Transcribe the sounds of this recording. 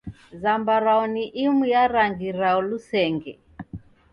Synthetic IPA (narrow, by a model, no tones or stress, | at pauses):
zambaɾaɔniʔimujaɾaŋɡiɾaɔlusɛŋɡɛ